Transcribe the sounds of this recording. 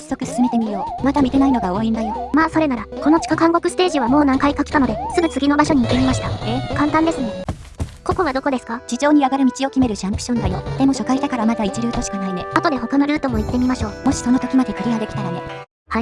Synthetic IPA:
sːo̞kɯ̟sɨ̥sɨme̞t̪e̞mʲijo̞ːmat̪amʲit̪e̞naino̞ɡao̞ːind̪ajo̞maːso̞ɾe̞naɾako̞no̞t͡ɕi̥kakãŋɡo̞kɯ̟sɨ̥t̪e̞ːʑiβ̞amo̞ːnãŋkaikakʲi̥t̪ano̞d̪esɨɡɯ̟t͡sɨɡʲino̞baɕo̞ɲ̟iːt̪ːe̞mʲimaɕi̥t̪akãnt̪ãnd̪e̞sɨmo | ko̞ko̞βad̪o̞ko̞d̪e̞sɨ̥kad͡ʑid͡ʑo̞ːɲ̟iaɡaɾɯ̟mʲit͡ɕio̞kʲime̞ɾɯ̟ɕãmpɯ̟̥ɕõ̞nd̪ajo̞̰d̪̥e̞mo̞ɕo̞kait̪akaɾamad̪ait͡ɕiɾɯ̟ːt̪oɕi̥kanaine̞at̪o̞d̪e̞ɦo̞kano̞ɾɯ̟ːt̪o̞mo̞it̪ːe̞mʲimaɕo̞ːmo̞ɕi̥so̞no̞t̪o̞kʲimad̪e̞kɯ̟ɾʲiɡad̪e̞kʲi̥t̪aɾane̞ | ha

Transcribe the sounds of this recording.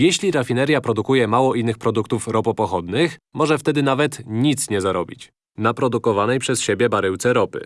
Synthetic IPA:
jɛɕlʲiɾafʲinɛɾjapɾɔd̪ukujɛmawɔʔinːɘxpɾɔd̪uk̚t̪ufɾɔpɔpɔxɔd̪nɘxmɔʐɛft̪ɛd̪ɘnavɛt̪ɲit̪sɲɛzaɾɔbʲit͡ɕ | napɾɔd̪ukɔvanɛjpʂɛsɕebʲjɛbaɾɘwt̪sɛɾɔpɘ̰

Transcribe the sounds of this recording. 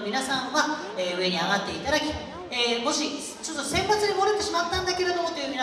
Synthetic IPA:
mʲinasãŋɡa | eːɯ̟e̞ɲ̟iaɡat̪ːe̞it̪ad̪akʲi | eːmo̞ɕi | t͡ɕo̞t̪ːo̞sẽ̞mpat͡sɨɲimoɾɯt̪ːe̞ɕimat̪ːãnd̪ake̞ɾe̞d̪o̞mot̪ojɯmʲina

